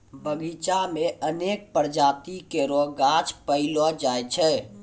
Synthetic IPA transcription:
bəɡit͡ʃameʔənek̚pəɾd͡ʒat̪ikeɾɔɡat͡ʃʰpəɪlɔd͡ʒajt͡ʃʰɛ

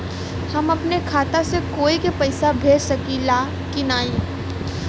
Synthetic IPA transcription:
hɐmɐpnekʰaːt̪asekoːikepɐɪsabʱeːd͡ʒsɐkilaː | kinaːĩ

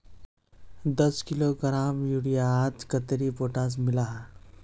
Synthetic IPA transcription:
d̪əskiloɡɾamjuɽijaːtkət̪əɾipoʈas̬mila

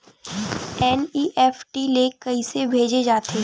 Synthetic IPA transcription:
ɛːniːʔɛːfʈileːkkːɐisebʱeːd͡ʒed͡ʒaːt̪ʰeː

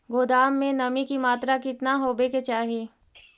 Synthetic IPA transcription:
ɡoːd̪aːmːẽnɐmikimaːt̪ɾakɪt̪naɦoːbeket͡ʃaːɦieː

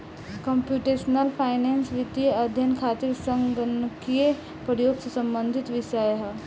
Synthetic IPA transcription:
kɐmpjuʈeːʃnəlpʰaːɪneːnsʋɪt̪ijəɐd̪ʱjənkʰaːt̪iɾsə̃ŋɡɡənkije | pɾəjoːɡsesɐ̃mbə̃nd̪ʱɪt̪ʋɪʃəjɦə

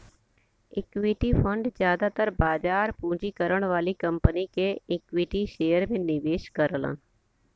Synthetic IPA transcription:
ɪkwɪʈipʰə̃ɳɖzjaːd̪at̪əɾbaːd͡ʒaːɾpũːd͡ʒikəɾəɽ̃ʋaːlikɐ̃mpənikeɪkwɪʈiʃeːjəɾmẽnɪʋeːʃkəɾlə̰n

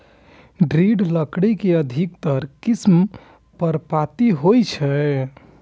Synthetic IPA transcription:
ɖɾiɖləkɽekeəd̪ʱik̚t̪əɾkism | pəɾpat̪iɦojt͡ʃʰɛ

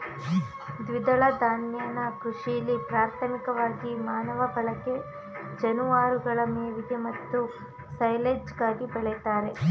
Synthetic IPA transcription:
d̪ʋid̪ɐɭɐd̪aːɳjaːnɐkɾuʂijɐlːipɾaːɾt̪ʰɐmikɐʋaːɡimaːnɐʋɐbɐɭɐke̞ | d͡ʒɐnuʋaːɾuɡɐɭɐmeːʋid̪imɐt̪ːu | sɐjled͡ʒɡaːɡibɐɭet̪aːɾe̞

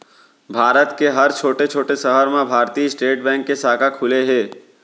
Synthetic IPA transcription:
bʱaːɾət̪keɦɐɾt͡ʃʰoːʈet͡ʃʰoːʈesəɦəɾmẽbʱaːɾt̪iːɪsʈeːʈ̚bɛ̃ːŋkːesaːkʰakʰʊleɦeː

